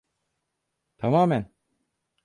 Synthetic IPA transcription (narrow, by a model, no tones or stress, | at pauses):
t̪ʰamaːmɛn